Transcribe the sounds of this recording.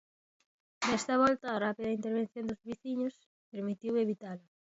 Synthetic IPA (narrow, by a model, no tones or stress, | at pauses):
d̪ɛst̪ɐβɔlt̪aːrapiðɐint̪eɾβ̞ẽn̟θjond̪ʊzβiθiɲʊs | peɾmit̪iweβit̪ala